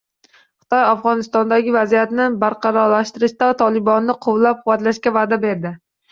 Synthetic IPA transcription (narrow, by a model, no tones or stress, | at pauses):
χɨ̥t̪ʰɒjafʁɒnɪst̪ɒnd̪aɡʲɪvazijat̪nɪbaɾqʰɑɾɒɾlaʃt̪ɪɾɪʃt̪at̪ʰɒlɪbɒnːɪqʰʊwlap̚qʰʊvat̪laʃkʲavaːd̪abe̞ɾd̪ɪ